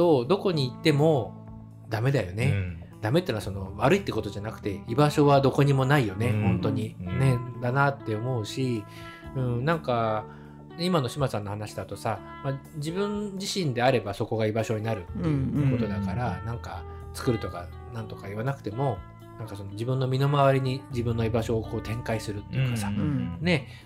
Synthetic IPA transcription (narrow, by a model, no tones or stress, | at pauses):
o̞d̪o̞ko̞ɲ̟iːt̪ːe̞mo̞ | d̪ame̞d̪ajo̞ne̞ | d̪̥ame̞t̪ːenaso̞no̞βaɾɯ̟it̪ːeko̞t̪o̞ʑanakɯ̟̥t̪e̞ibaɕo̞βad̪o̞ko̞ɲ̟imo̞naijo̞ne̞hõ̞nt̪o̞ɲ̟ined̪anat̪ːe̞o̞mo̞ɯ̟ɕi | ɯ̟̃ɴnãŋka | imano̞ɕimasãnːohanaɕi̥d̪at̪o̞sa | mad͡ʑibɯ̟̃ɲd͡ʑiɕĩnd̪e̞aɾe̞baso̞ko̞ɡaibaɕo̞ɲinaɾɯ̟t̪ːejɯ̟ko̞t̪o̞d̪akaɾanãŋkat͡sɨ̥kɯ̟ɾɯ̟t̪o̞ka | nãnt̪o̞kaiβ̞anakɯ̟̥t̪e̞mo̞ | nãŋkaso̞no̞d͡ʑibɯ̟̃nːo̞mʲino̞maβ̞aɾʲiɲ̟id͡ʑibɯ̟̃nːo̞ibaɕo̞ːko̞ːt̪ʰẽ̞ŋkaisɨɾɯ̟t̪ːe̞jɯ̟kasane̞